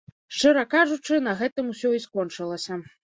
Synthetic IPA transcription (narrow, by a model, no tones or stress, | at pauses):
ʂt͡ʂɨɾɐkaʐut͡ʂɨnɐɣɛt̪ɨmusʲɔiskɔnt͡ʂɨlˠɐsʲɐ